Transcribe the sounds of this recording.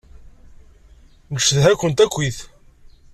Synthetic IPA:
nəʃðɦækʷːənt̪ækʷːiθ

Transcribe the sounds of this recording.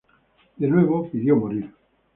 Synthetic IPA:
d̪enweβopiðjomoɾiɾ

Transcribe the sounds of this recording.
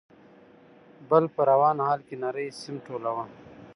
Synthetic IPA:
bɐlpɐɾɐwaːnɦaːlkinɐɾɐjsimʈʰoːlɐwãː

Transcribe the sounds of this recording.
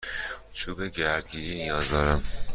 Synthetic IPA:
t͡ʃʰuːbeɟæɾd̪ɟiɾiːnijɒːzd̪ɒɾæm

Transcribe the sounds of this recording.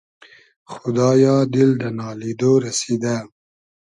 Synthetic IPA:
xʊd̪ɑːjɑd̪ɪld̪ənɑːlid̪oɾased̪a

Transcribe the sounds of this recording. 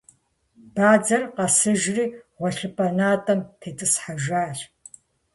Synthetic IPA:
b̥aːd͡zɐrqɐsɨʒriːʁʷɔɬɨpʼɐnaːtʼɐmtʰeːtʼɨsħaʒaːɬ

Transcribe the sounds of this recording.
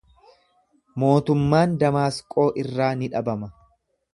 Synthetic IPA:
mo̞ːt̪ʊmːaːnd̪ɐmaːskʼo̞ːʔɪrːaːnɪᶑɐbɐmɐ

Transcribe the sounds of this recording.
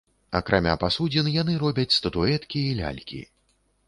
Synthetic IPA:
ɐkɾamʲa̰pasud͡zʲinjanɨɾɔbʲɐt͡sʲst̪ɐt̪uɛt̪kʲiːlʲa̰lʲkʲḭ

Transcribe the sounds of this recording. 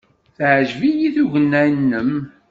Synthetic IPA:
θʕʒvijiθuʝənːænːəm

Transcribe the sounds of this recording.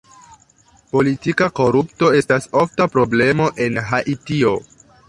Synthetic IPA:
po̞litikako̞ɾupto̞e̞staso̞ftapɾo̞ble̞mo̞ʔe̞nɦaʔitio̞

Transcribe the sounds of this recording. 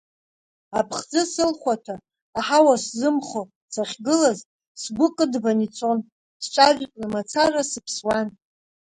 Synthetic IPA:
apʰχd͡zɨsɨlχʷatʰaː | ħawaszɨmχo | saχʲɡɨlaz | sɡʷʊkʼɨdbanit͡sʰʼon | sʈ͡ʂʷʼaʒqʼnamat͡sʰarasɨpʰswan

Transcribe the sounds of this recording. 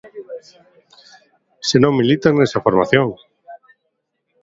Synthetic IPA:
senõŋmilit̪aŋnesafoɾmaθjõŋ

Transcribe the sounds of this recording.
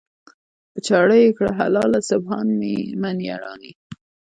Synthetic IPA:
pət͡ʃaɽəjekɽaɦalɑlasʊbhɑnmimanija̰ɽɑ̰ni

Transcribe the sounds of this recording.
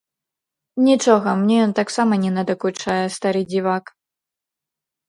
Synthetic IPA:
nʲit͡ʂɔɣɐmnʲɛjɔnt̪aksamɐnʲɛnɐd̪ɐkut͡ʂajɛst̪aɾɨd͡zʲivak

